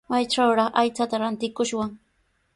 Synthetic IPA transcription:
majʈ͡ʂawɾɑχʔajt͡sat̪aɾant̪ɪkʊʃwaŋ

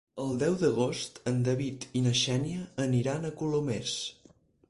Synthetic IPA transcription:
əlˠd̪ɛwðəɣ̞ost̪ənd̪əβit̪inəʃɛniəːniɾanəkulumes

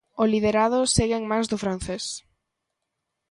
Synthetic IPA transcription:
ʊlið̞eɾaðʊseɣeŋmajzðʊfɾan̟θes

